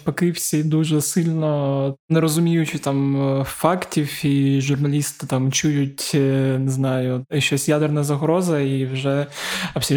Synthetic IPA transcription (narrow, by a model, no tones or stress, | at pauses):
pɔkɪwsʲid̪uʒɛsɪlʲnɔnɛɾɔzʊmʲijʊt͡ʃɪt̪ɑmfɑktʲiwiʒʊrnɐlʲist̪ɪt̪amt͡ʃujʊtʲnɪznɑjʊʃɔsʲjad̪ɛrnɐzɐɦɾɔzɐiwʒɛɐpsʲi